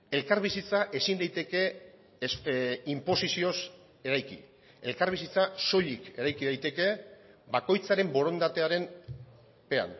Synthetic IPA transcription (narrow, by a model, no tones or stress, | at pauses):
e̞lkaɾβisit͡saʔe̞sind̪ajt̪e̞ke̞ | simpo̞sisio̞s | e̞ɾajkḭ | e̞lkaɾβ̞isit͡saso̞ʎike̞ɾajkiðajt̪e̞ke̞bako̞jt͡saɾe̞mbo̞ɾo̞nd̪at̪e̞aɾe̞n | pe̞a̰n